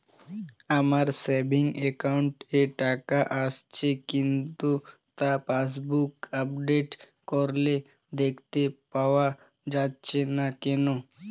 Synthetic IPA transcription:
əmaɾsebʱɪŋɡekaʊɳʈeʈaːkaʔast͡ʃʰekɪ̃nt̪u | t̪apaːs̬bukəpɖeːʈ | kɔɾle | d̪eːkʰt̪epawa | d͡ʒaːt͡ʃʰenakeno

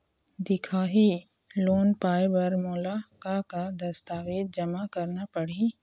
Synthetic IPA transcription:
d̪ɪkʰaːɦi | loːnpaːjbɐɾmoːlakakad̪ɐst̪aːʋeːd̪̚d͡ʒɐmakɐɾnapɐɽ̤i

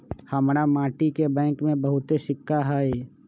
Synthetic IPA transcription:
həmɾamaːʈikebɛ̃ːŋkmẽbəɦʊt̪eʃɪkʰːaɦɛe

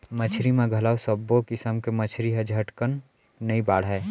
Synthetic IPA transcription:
mət͡ʃʰɾimẽɡʱɐlaːwsəbokisəmkemət͡ʃʰɾiɦɐd͡ʒʱɐʈkənː | əibaːɽ̤ɦɛː

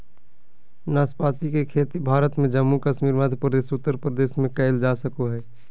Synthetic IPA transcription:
naːspaːt̪ikekʰeːt̪ibʱaːɾət̪mẽd͡ʒəmːukəʃmiːɾmad̪ʱpɾəd̪eːsʊt̪ːəɾpɾəd̪eːsmẽkəɪld͡ʒaːsəkoɦɛː

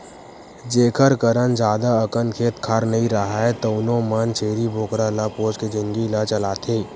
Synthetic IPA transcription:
d͡ʒeːkʰəɾkəɾənd͡ʒaːd̪aɐkənkʰeːt̪kʰaːɾnɐɦĩɾɐɦaɦɛt̪oʊnõmaːnt͡ʃʰeːɾibʱoːkɾalapoːd͡ʒked͡ʒɪ̃ŋɡilat͡ʃɐlaːt̪ʰeː

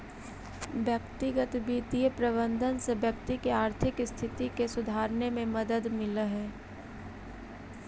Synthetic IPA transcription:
ʋjəkt̪ɪɡət̪biːt̪iəpɾəbə̃nd̪ʱənsebjəkt̪ikeaːɾt̪ʰɪkst̪ʰɪt̪ikesʊd̪ʱaːɾnemẽmɐd̪əd̪mɪləɦɛː

